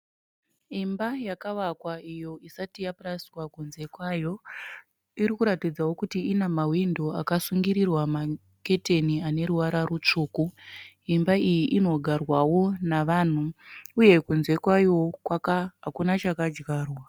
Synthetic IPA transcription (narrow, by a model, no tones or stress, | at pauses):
imbajakaʋakwaijo̞isatijapraswakunze̞kwaːjo̞ | iɾikuɾatid͡zawo̞kutiinamawindoakasuŋɡiɾirwama | ke̞te̞niane̞ɾuwaɾarut͡ʂuːku | imbaijiʔino̞ɡʱarwawo̞naʋan̤uuje̞kunze̞kwajo̞kwakaɦakunat͡ʃakad͡ʒɡaːrwa